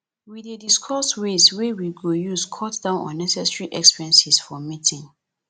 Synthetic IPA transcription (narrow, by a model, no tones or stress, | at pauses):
widediskʰɔswezwɛwiɡojuskʰɔtd̥ãʊ̃nɔ̰̃nːɛsɛsɹiʔɛkspiɹɛ̃nsisfɔmitʰĩŋ